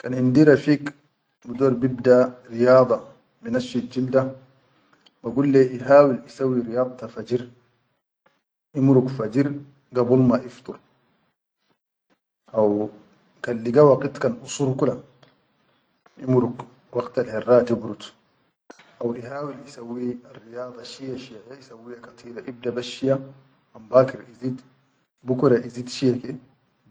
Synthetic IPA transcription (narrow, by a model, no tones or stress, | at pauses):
kanind̪iɾafiːk | bid̪oːɾbib̚d̪aɾijɑːd̪ˤɑ | binafild͡ʒild̪a | baɡulːeʔiɦaːwilʔisawːiɾijɑːd̪̚ˤt̪afad͡ʒiɾ | ʔimɾukfad͡ʒiɾ | ɡabulmaʔift̪ˤuɾ | ʔaw | kalːiɡawaqit̪kanʔusuɾkula | ʔimɾuk | wɑqt̪alhɛrːaːd̪ibɾut̪ | ʔawʔiɦaːwilisawːiarːijɑːd̪ˤɑʃiaʃijajaisawːiakat̪ˤʰiːɾaʔib̚d̪abaʃija | ambaːkiɾizid̪ | bukɾaʔizid̪ʃijake